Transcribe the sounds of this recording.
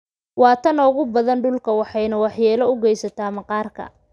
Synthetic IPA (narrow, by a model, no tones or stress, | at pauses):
wɑːt̪ʰɐnɔːɣʊbɐðɐnɖʊlkʰɐwɑħɑjnɐwɑħjɛːlɐʊɡɛjsɐt̪ʰaːmɐqɑːrkʰɐ̰